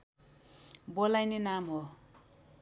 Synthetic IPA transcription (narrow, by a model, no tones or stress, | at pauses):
bolajnenamɦo